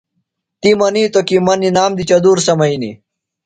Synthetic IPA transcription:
t̪imɐniːt̪okimɐninaːmd̪it͡ɕɐd̪uːɾsɐmɐinḭ

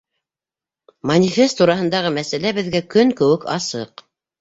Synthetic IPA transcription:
mɐnʲifʲest̪ːuɾɑɦɤ̆nd̪ɑʁɤmæsælæbɘ̆ðɡækɵŋkɵ̆wɘkɑ̰sɤ̰q

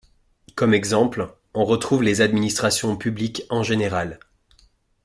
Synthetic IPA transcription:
kɔmɛɡzɑ̃pl | ɔ̃ʁət̪χuvlezad̪minist̪χasjɔ̃pyblikɑ̃ʒeneʁal

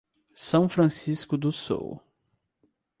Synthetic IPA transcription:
sɐ̃w̃fɾɐ̃siskʊd̪ʊso̰w

